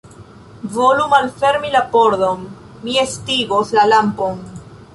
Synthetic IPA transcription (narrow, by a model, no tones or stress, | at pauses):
volumalfe̞ɾmilapoɾdonː | iestiɡoslalampon